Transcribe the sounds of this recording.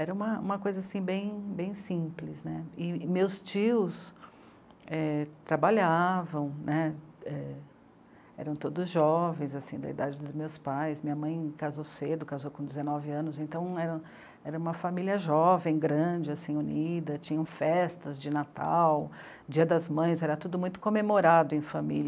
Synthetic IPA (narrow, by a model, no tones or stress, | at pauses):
ɛɾɐũmɐṵ̃mɐkojzɐasĩbẽj̃bẽj̃sĩplɪsnɛɪmewst͡ʃiʊs | ɛt̪ɾabaʎavɐ̃w̃nɛɛ | ɛ̰ɾɐ̃w̃t̪od̪ʊzʒɔvẽj̃zasĩd̪ɐ̰ḭd̪ad͡ʒɪd̪ʊzmewspajsmĩɲɐmɐ̃j̃kazowsed̪ʊkazowkõd͡ʒ̪ɪzenɔvɪɐ̃nʊzẽnt̪ɐ̃w̃ɛɾɐ̃w̃ | ɛɾɐũmɐfamiliɐʒɔvẽj̃ɡɾɐ̃d͡ʒɪasĩunid̪ɐt͡ʃĩɲɐ̃w̃fɛst̪ɐzd͡ʒɪnat̪a̰w | d͡ʒiɐd̪ɐzmɐ̃j̃zɛɾɐt̪ud̪ʊmũj̃t̪ʊ̥kõmemoɾad̪ʊẽj̃familɐ